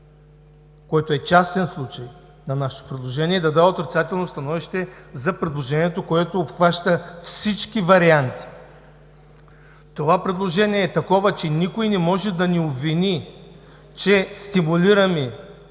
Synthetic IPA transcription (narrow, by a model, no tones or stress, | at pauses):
kɔjt̪oɛt͡ʃast̪ɛnslˠut͡ʃɐj | nɐnaʃɛ̥t̪o̥pɾɛd̪lˠoʒɛniɛd̪ɐd̪aot̪ɾit̪sat̪ɛlˠnost̪ɐnɔviʃt̪ɛzɐpɾɛd̪lˠoʒɛniɛt̪okoɛt̪oːpxvaʃt̪əfsit͡ʃkivɐɾiant̪i̥ | t̪ovapɾɛd̪lˠoʒɛniɛːt̪ɐkɔvət͡ʃɛnikojnɛmɔʒɛd̪ɐniobvini | t͡ʃɛst̪imuliɾɐmi